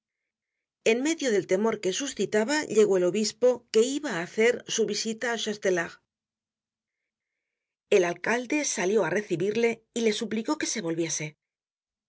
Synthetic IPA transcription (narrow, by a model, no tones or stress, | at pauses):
e̞nme̞ðjo̞ð̞e̞lt̪e̞mo̞ɾke̞susθit̪aβaʎe̞ɣo̞e̞lo̞βispo̞ke̞iβaːθe̞ɾsuβisit̪aːʃast̪elaɣ | e̞lalkald̪e̞saljo̞are̞θiβiɾle̞ile̞supliko̞ke̞se̞βo̞lβje̞se̞